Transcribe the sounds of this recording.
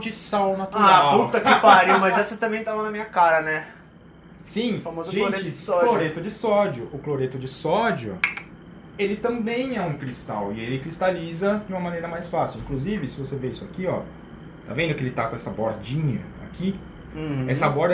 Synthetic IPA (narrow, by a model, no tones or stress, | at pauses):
d͡ʒɪsawnat̪uɾaput̪ɐkɪpaɾimɐzɛsɐt̪ɐ̃mbẽj̃t̪avɐnɐmĩɲɐkaɾɐnɛ | sĩfamozʊʒeoɾet͡ʃɪɪsɔloɾet̪ʊd͡ʒɪsɔd͡ʒʊʔʊkloɾet̪ʊd͡ʒɪsɔd͡ʒʊ̰ | elɪt̪ɐ̃mbẽj̃ɛũkɾist̪a̰wɪelɪkɾist̪alizɐd͡ʒɪũmɐmɐ̃nejɾɐmajsfasɪwĩŋkluzivɪsɪvoseveisʊakiɔ̰ | t̪a̰vẽd̪ʊkɪelɪt̪akõɛsɐboɾd͡ʒĩɲɐ | a̰kʰĩ | ɛsɐbɔɾ